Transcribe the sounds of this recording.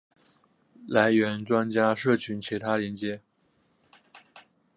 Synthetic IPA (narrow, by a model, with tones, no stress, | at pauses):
la˧˥ɪɥɛ˧˥nʈ͡ʂwa˥nt͡ɕja˥ʂɤ˥˩t͡ɕʰy˧˥nt͡ɕʰi˧˥t̪ʰa˥ljɛ˧˥nt͡ɕjɛ˧˥